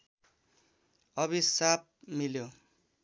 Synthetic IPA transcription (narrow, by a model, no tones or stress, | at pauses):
ʌβisap̚miljo